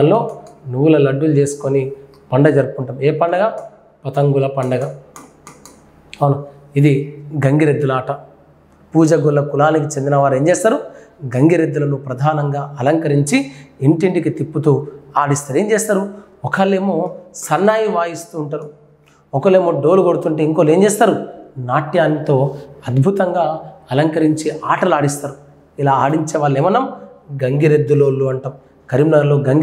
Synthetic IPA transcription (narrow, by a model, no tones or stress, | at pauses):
ɐlːo̞ːnuʋulɐlɐɖːulut͡ʃe̞ːsu̥koni | pɐɳɖɐd͡ʒɐɾupkuɳʈɐmeːpɐɳɖɐɡaː | pɐt̪ɐŋɡulɐpɐɳɖɐɡa | ɐnu | id̪iɡɐŋɡiɾed̪ːulaːʈɐ | puːd͡ʒɐɡulːɐkulaːnikit͡ʃend̪inɐʋaːɾe̞ːɲt͡ʃeːst̪aːɾuɡɐŋɡiɾed̪ːulɐnupɾɐd̪ʱaːnɐŋɡaːɐlɐŋkɐɾiɲt͡ʃieɳʈiɳʈikit̪ipːut̪uːaːɽist̪aːɾeːɲd͡ʒeːst̪aːɾu | ɔkɐlːeːmoːsɐnːaːjiʋaːjist̪uːɳʈaːɾu | ɔkɐle̞ːmo̞ːɖo̞ːluɡoɽut̪uɳʈeiŋkoːle̞ːmt͡ʃeːst̪aːɾunaːʈjaːnːit̪o̞ːɐd̪bʱut̪ɐŋɡaːɐlɐŋkɐɾiɲt͡ʃiʔaːʈɐlaːɽist̪aːɾu | ilaːaːɽiɲt͡ʃɛʋaːɭːeːmɐnɐmɡɐŋɡiɾed̪ːuloːlːuɐɳʈɐm | kɐɾimnɐɾlo̞ːɡɐŋɡ